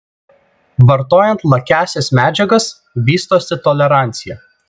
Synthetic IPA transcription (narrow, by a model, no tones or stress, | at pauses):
ʋɐɾt̪oːjɛnt̪lˠɐkʲæːsʲɛsmʲæːd͡ʒʲɛɡɐs | ʋʲiːst̪oːsʲɪt̪ɔlʲɛɾɑˑnʲt̪sʲɪjɛˑ